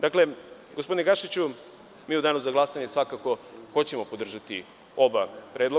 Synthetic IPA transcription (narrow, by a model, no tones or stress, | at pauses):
d̪akle̞ | ɡospo̞d̪ineɡaʃit͡ɕu | miːud̪aːnuzaɡlˠasaɲesʋakako̞ko̞t͡ɕe̞mo̞po̞d̪r̩ʒat̪ḭ | o̞bapɾeːd̪lˠo